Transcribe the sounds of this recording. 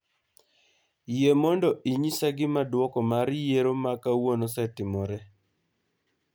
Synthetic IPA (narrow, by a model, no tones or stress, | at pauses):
jemɔndɔʔiɲisaɡɪmadwɔkɔmaɾjeɾomakawonosɛtɪmɔɾɛ